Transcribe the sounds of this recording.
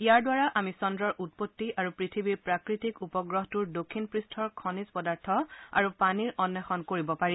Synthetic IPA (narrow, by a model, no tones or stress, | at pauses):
ijaɹdwaɹaʔamisɔndɹɔɹʔut̚potːiʔaɹupɹitʰibiɹpɹakɹitikupɔɡɹɔɦtuɹdokʰːinpɹistʰɔɹkʰɔnispɔdaɹtʰɔa̰ɹupaniɹʔɔnːɛxɔnkoɹibɔpaɹĩ